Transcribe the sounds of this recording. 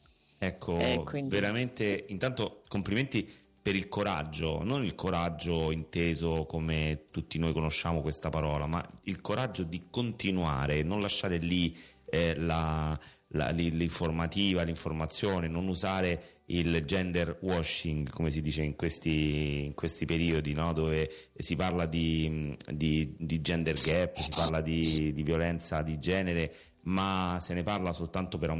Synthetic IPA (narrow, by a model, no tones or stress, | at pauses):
ɛkʰːoveɾament̪eint̪ant̪okompliment̪i | peɾilkoɾa̰d͡ʒːo̰nonilkʰoɾad͡ʒːoint̪eːzokomet̪ut̪ːinoːjkonoʃːamokwest̪apaɾɔːlama̰ilkoɾad͡ʒːod̪ikont̪inua̰ːɾenonlaʃːaːɾeli | la | la̰liliɱformat̪iːvaliɱformat̪sːjoːnenonuzaːɾe | ild͡ʒɛnd̪erwɔʃːiŋɡkomes̬id̪iːt͡ʃeiŋkwest̪iːŋkwest̪ipeɾiːod̪inɔd̪oːve | siparlad̪i | d̪id̪id͡ʒɛnd̪erɡɛpːsiparlad̪id̪ivjolɛnt̪sad̪id͡ʒɛːneɾe | maseneparlasolt̪ant̪opeɾa